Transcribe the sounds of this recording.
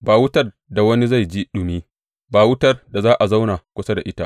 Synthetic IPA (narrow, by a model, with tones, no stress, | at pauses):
baː˨wʊ˦tɐ˦r | da˨wɐ˦ni˦za˦˨jd͡ʒi˦ɗʊ˨miː˦ | baː˨wʊ˦tɐ˦rda˨zaː˦ʔa˨za˦wna˨kʷʊ˦sa˦da˨ʔɪ˦ta˦ʔ